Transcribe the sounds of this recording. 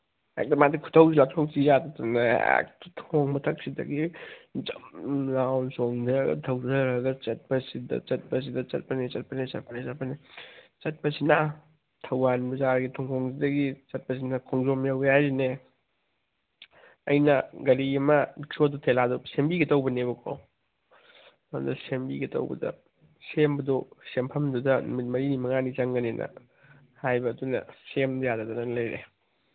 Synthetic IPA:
ḛk̚tɐmadikʰu̥tʰɐwsiatʰoksijattanɐ̰k̚ttʰoŋmɐtʰɐk̚sidɐ̰ɡid͡ʒɐmlawnsoŋdɐɾɐɡɐ̰tʰɐwdɐɾɡɐt͡ʃɐt̚pɐsidɐ̰t͡ʃɐt̚pɐs̬idɐt͡ʃɐ̰t̚pɐnit͡ʃɐt̚pɐnisɐ̰t̚pɐnisɐt̚pɐnit͡ʃɐt̚pɐsina | tʰɐwanbɐzaɾɡitʰɔŋkʰɔŋsidɐɡit͡ʃɐt̚pɐsinɐkʰɔŋzomjawjajɾine | ɐjnɐɡɐɾiɐmɐdiksodotʰeladosembiɡetɐwbɐneβɐkʰo̰ | mɐ̰ndɐ̰sembiɡetɐ̰wbɐ̰dɐ̰ | sembɐdosempʰɐmdudɐnumit̚mɐɾinimɐŋanit͡ʃɐŋɡɐnenʔɐ̰ | hajbɐːdunɐ̰semdɐjadɐdɐnɐnlɐjɾḛ

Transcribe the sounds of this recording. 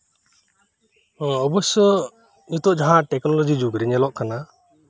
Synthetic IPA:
ɔbɔsɔ | ut̪ɔʔd͡ʒaɦãʈɛknɔlɔd͡ʒid͡ʒuɡɾɛɲɛlɔʔkana

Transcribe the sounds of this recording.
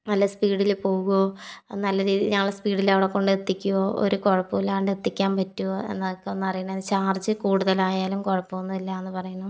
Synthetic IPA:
nɐlːɐspiːɽilpo̞ːɣuonɐlːɐɾiːðɲɐːɐɭspiːɽilɐʋiɽekːo̞ɳɖɨet̪ːikʲːuoːʔo̰ɾuko̞ɻɐpːuʋilaːɳɖɨet̪ːikʲːaːmpɐtːuoe̞̰nːɐðokːeenːɐrijɐɳɐðɨt͡ɕaːrt͡ɕːɨkuːɽuðɐlaːjaːlumkoɻɐpːuʋonːɐðilːɐenːɨpɐrɐjɐɳɐm

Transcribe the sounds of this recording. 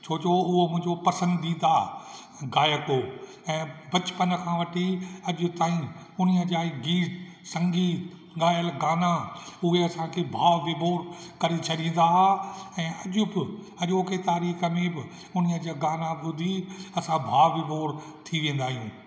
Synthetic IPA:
t͡ɕʰoːt͡ɕoʊɦomʊ̃ɦɪ̃ɲd͡ʑopɐsə̃nd̪id̪aː | ɡaːjəkoː | ɛ̃ːbɐt͡ɕpənkʰãːʋɐʈʰiɐʄʊ̆t̪aːĩ | ʊnijəd͡ʑaːɡiːʈ̪sɐ̃ŋɡiː | ɠaːjəlɡaːnaʊɦeɐsãkʰeːbʱaːʋʋɪbʱoːɾkɐɾet͡ɕʰɐɗĩːn̆d̪aːɦaɛ̃ːʔɐʄʊbɪ | ɐʄoːket̪aːɾiːxə̆mẽbɪ | ʊnijəd͡ʑaːɡaːnaʊd̪ʱiɐsãbʱaːʋʋɪbʱoːɾ | t̪ʰiʋẽːn̆d̪aːɦijũː

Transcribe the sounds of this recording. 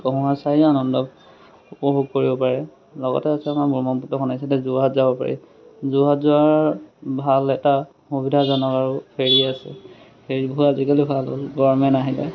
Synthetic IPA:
kɔɦɔ̃ɦasaɹianɔndɔ | upɔɦuɡkoɹibɔpaɹɛ | lɔɡɔ̰tɛasɛamabɔmɔmputɔxʰɔnajsɛtɛzuɦatzabɔpa̰ɹḭ | zuɦatzuaɹbʱalɛta | hubidʱazɔnɔkaɹupʰeɹiasɛ | pʰeɹibɔɦutazikalibʱalɦo̰lbɔɹmɛnaɦilɛ̰

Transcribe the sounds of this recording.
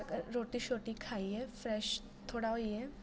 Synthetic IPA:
kɾoʈiːɕoʈĩkʰaijefɾɛɕ | t̪ʰoɽaoije

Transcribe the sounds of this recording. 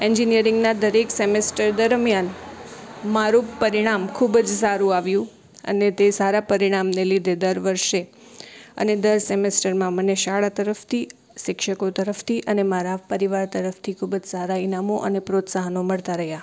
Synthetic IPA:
ɛɲd͡ʒinijəɾɪŋɡnad̪əɾeksemesʈəɾd̪əɾmjan | maɾũpəɾiɽ̃amkʰubd͡ʒsaɾũaʋjũ | ə̰net̪esaɾapəɾiɽ̃amnelid̪ʱed̪əɾʋəɾʃe | ə̰ned̪əɾsemesʈəɾmãməneʃaɭat̪əɾəft̪ʰi | ʃɪkʃəkot̪əɾəft̪ʰiʔənemaɾapəɾiʋaɾt̪əɾəft̪ʰikʰubd͡ʒsaɾainamoʔə̰nepɾot̪saɦənoməɭt̪aɾəɦja

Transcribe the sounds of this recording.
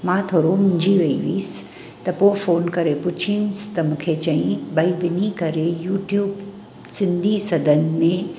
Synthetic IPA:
mãːt̪ʰoːɾomʊ̃ɲd͡ʒʱiʋɐiʋḭːs | t̪ɐpoːfoːnkɐɾepʊt͡ʃʰinst̪ɐmʊkʰet͡ʃɐĩbɐiʋɪnikɐɾejuːʈjuːb | sɪ̃nd̪ʱisɐd̪ənmẽ

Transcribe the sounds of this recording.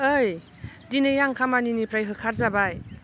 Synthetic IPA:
ɯj | dinejaŋkʰamaninipɾajɦɯkʰaɾzabaj

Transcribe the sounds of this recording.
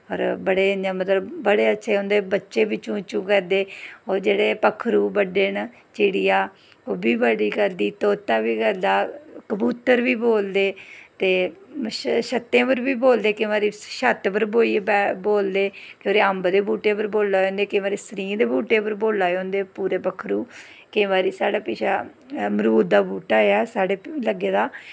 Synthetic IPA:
ɔːɾbəɽeːaːmət̪ləbːəɽeːətːʃʰeːõːnd̪eːbətːʃeːbɪt͡ʃːũːt͡ʃũːkɛɾd̪eːɔːɾd͡ʒeːɽeːpəkʰːɾuːbəɖeːn | t͡ʃɪːɽɪijaː | oːbiːbəɽiːɡəɾd̪iːt̪oːt̪ːãːʋiːɡəɾd̪aːkəbuːt̪əɾʋiːboːld̪eːt̪eː | ʃət̪ːẽːbəɾʋiːboːld̪eːkɪ̃ːʋaːɾiːʃət̪pəɾboːiːbɛboːld̪eːkõːɾeːəmbd̪eːbuːʈːeːpəɾboːlːaːõːnd̪eːkẽːʋaːɾiːsɾĩːd̪eːbuːʈeːpəɾboːlːaːõːnd̪eːpuːɾeːbəkʰɾuː | kẽːʋaːɾiːsaːɽaːpɪːʃaː | məɾuːd̪d̪aːbuːʈaːeːaːsaːɽeːləɡeːd̪aː

